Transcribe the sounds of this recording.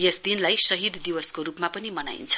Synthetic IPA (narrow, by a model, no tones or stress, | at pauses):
jesd̪inlajsʌɦid̪ʱd̪iwʌskoɾupmapʌnimʌna̰jnt͡sʰʌ̥